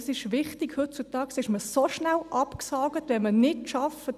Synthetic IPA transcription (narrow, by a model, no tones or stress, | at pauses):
sɪʃʋɪχtikhɵt̚t͡sutɑːksɪʃməsoʃnælʔɑpksɑːɡətʋɛmənɪtʃɑfət